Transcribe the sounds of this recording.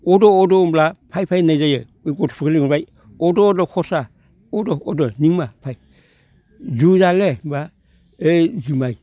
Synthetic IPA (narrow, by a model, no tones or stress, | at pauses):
odoːdomblapʰajpʰajnazaja̰ | eɡotpʰukeliŋbaj | odoːdokʰosa | odoːdoniŋmapʰaj | zuzaleba | ezumaj